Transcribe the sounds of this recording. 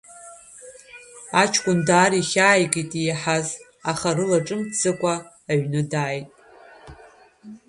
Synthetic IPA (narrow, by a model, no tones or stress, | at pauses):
at͡ʃʰkʷʼʊndaːriχʲaːjkʼitʼijaħaz | aχarɨlaʈ͡ʂʼɨmt͡sɨkʷʼaː | ɥnɨdaːjtʼ